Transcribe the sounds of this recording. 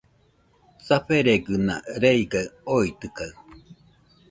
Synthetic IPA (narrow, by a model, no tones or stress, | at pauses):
saɸeɾeɡɯna̰ɾeiɡaoit̪ɯkaɯ